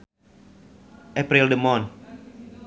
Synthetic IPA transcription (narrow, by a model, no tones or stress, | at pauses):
ʔɛpɾildəmɔn